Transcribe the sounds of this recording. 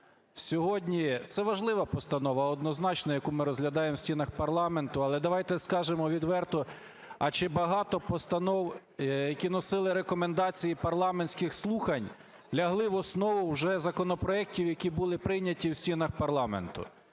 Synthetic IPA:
sʲɔɦɔdʲnʲit̪sɛʋɐʒlˠɪʋɐpɔst̪ɐnɔʋɐɔd̪nɔznɑt͡ʃnɐjɐkumɪɾɔzɦlʲɐd̪ɑjemsʲtʲinɐxpɐrlˠɑment̪ʊɐlˠɛd̪ɐʋɑjt̪ɛskɑʒemɔʋʲid̪ʋɛrt̪ʊ | ɐt͡ʃɪbɐɦɑt̪ɔpɔst̪ɐnɔw | jɐkʲinɔsɪlˠɪɾekɔmend̪ɑt͡sʲijipɐrlˠɑmenʲsʲkɪxslˠuxɐnʲ | lʲɐɦlˠɪʋɔsnɔʋʊwʒɛzɐkɔnɔpɾɔɛk̚tʲiwjɐkʲibʊlˠɪpɾɪjnʲɐtʲiwsʲtʲinɐxpɐrlˠɑmḛnt̪ʊ̰

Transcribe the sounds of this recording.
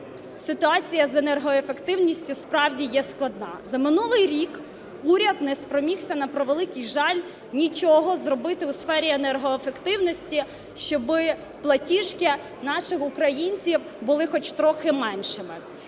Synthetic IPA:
sɪt̪ʊɑt͡sʲijɐzenɛrɦɔefe̞kt̪ɪwnʲisʲtʲʊspɾɑwdʲijɛsklˠɐd̪nɑzɐmɪnulˠɪjɾʲik | uɾʲɐd̪nɛspɾɔmʲiwsʲɐnɐpɾɔʋelˠɪkijʒɑlʲ | nʲit͡ʃɔɦɔzrɔbɪt̪ɪusfɛɾʲienɛrɦɔefekt̪ɪwnɔsʲtʲi | ʃt͡ʃɔbɪ | plˠɐtʲiʃkɪ | nɑʃɪxʊkɾɐjinʲt͡sʲiw | bʊlˠɪxɔt͡ʃt̪ɾɔxɪmɛnʃɪmɪ

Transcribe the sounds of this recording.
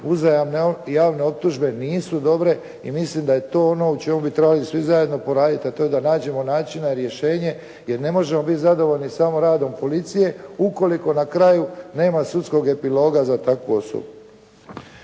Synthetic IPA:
uzajamnejaːʋne̞o̞p̚t̪uʒbe̞niːsud̪o̞bɾe̞ | ḭmislimd̪aje̞t̪o̞ːono̞ut͡ʃe̞mubit̪ɾe̞balisʋizajed̪no̞po̞ɾaːd̪it̪iat̪ojed̪anaːd͡ʑe̞mo̞naːt͡ʃinaiɾje̞ʃe̞ːɲe̞ | je̞ɾne̞mo̞ʒe̞mo̞bit̪zad̪o̞ʋo̞ʎnisamoɾaːd̪o̞mpo̞lit̪sije̞uko̞liko̞nakɾajune̞ːmasut̪sko̞ɡe̞pilo̞ːɡazat̪akʋṵo̞so̰bu

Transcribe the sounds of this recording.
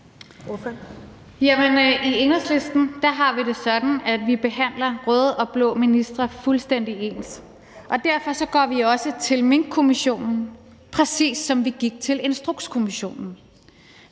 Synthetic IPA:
jæmenʔie̝nəsle̝sd̥n̩d̥ɑ̈ɦɑ̈ʋiɾe̝sɒ̽d̥n̩æd̥ʋib̥e̝ɦæn̰lɐʁɔːðˠɒ̽b̥lɔ̰̽ːminisd̥ʁɐfulsd̥en̰d̥ie̝ːns | ʔɒ̽d̥æɐ̰fɒ̽sɒ̽ɡ̥ɒ̰ːʋiɒ̽sət͡sʰe̝lme̝ŋɡ̥̚kʰo̝miɕo̝̰ːnn̩ | pʰʁɛsḭːsːɒ̽mʋiɡ̥iɡ̥̚t͡sʰe̝le̝nsd̥ʁoɡ̥skʰo̝miɕo̝̰ːnn̩

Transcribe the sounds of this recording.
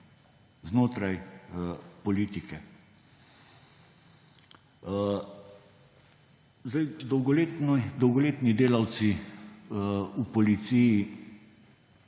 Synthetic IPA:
znoːt̪ɾaj | pɔliːt̪ikɛ | zd̪ajd̪ɔwɡɔleːt̪nd̪ɔwɡɔleːt̪nid̪eːlawt̪si | upɔlit̪siji

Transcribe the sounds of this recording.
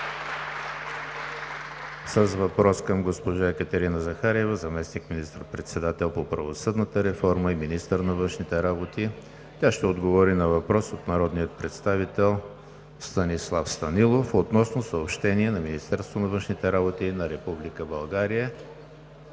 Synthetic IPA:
səzvɐpɾɔskəmɡospoʒaɛkət̪ɛɾinəzɐxaɾɛvəzɐmɛsnikminist̪əɾpɾɛt̪sɛd̪at̪ɛlˠpopɾəvosɤd̪nət̪əɾɛfɔɾməiminist̪əɾnɐvɤnʃnit̪ɛɾabot̪i | t̪ʲjaʃt̪ɛod̪ɡovɔɾinɐvɐpɾɔsot̪nɐɾɔd̪nijət̪̚pɾɛt̪st̪avit̪ɛlˠ | st̪ɐnislˠafst̪ɐnilˠofot̪nɔsnosəopʃt̪ɛniɛnɐminist̪ɛɾst̪vonɐvɤnʃnit̪ɛɾabot̪inɐɾɛpublikəbɐlˠɡaɾijə

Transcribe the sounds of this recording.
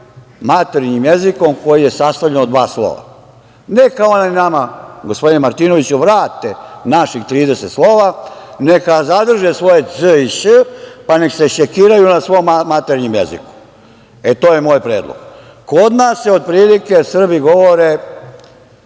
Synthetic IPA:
mat̪eɾɲimje̞ziko̞mko̞jije̞sast̪avʎe̞nod̪ʋaːslˠo̰ːʋa̰ | nekaonanamaɡospo̞d̪inemaɾt̪ino̞ʋit͡ɕuʋɾaːt̪enaʃixt̪ɾiːd̪eset̪slˠoːʋane̞kazad̪r̩ʒesʋo̞jezəiʃəpane̞kse̞ʃekiːɾajunasʋo̞mmat̪eɾɲimjḛzḭku̥ | e̞t̪oːje̞moːjpɾeːd̪lˠo̰ɡ̥ | ko̞d̪naːsːeo̞d̪̚pɾiːlike̞sr̩biɡo̞ʋoɾe

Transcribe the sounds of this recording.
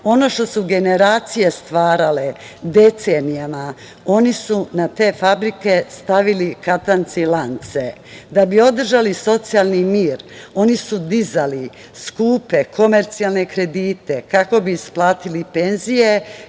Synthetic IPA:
o̞no̞ʃt̪o̞suɡe̞ne̞ɾaːt̪sije̞st̪ʋaːɾale̞ | d̪e̞t̪senijama | o̞nisunat̪e̞ːfabɾike̞st̪aʋilikat̪ant̪silant̪se̞ | d̪abio̞d̪r̩ʒaliso̞t̪sijalˠnimiːɾo̞nisud̪izali | skuːpe̞kʰo̞me̞ɾt̪sialˠne̞kɾe̞d̪iːt̪e̞kako̞biːsplˠaːt̪ilipe̞nzije̞

